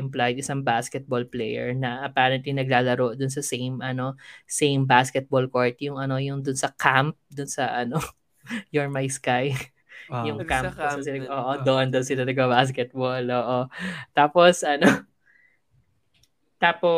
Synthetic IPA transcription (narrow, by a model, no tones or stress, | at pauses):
ɪmplajd̪ɪsɐŋbaskɛt̪̚bolplɛjɛ̰ɹnɐʔɐpaːɾɐnt̪linɐɡ̚laːlɐɾoʔd̪ʊns̬ɐsejmʔɐno̞sejmbaskɛt̪̚bolkoɹt̪jʊŋʔɐno̞jʊŋd̪ʊnsɐkamp̚d̪ʊnsɐʔɐno | joɹmajskaj | jʊŋkamsɪɐʔoːʔod̪oʔond̪onsɪlɐnɐɡ̚pɐbaskɛt̪̚boloːʔot̪aːposɐno | t̪aːpo